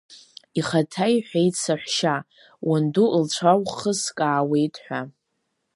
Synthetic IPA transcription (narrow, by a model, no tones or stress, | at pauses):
iχatʰajħʷᶣejtsaħʷʃa | wʔanduʔlt͡ɕʷʰawχəskʼaːwe̞jtʼħʷᶣa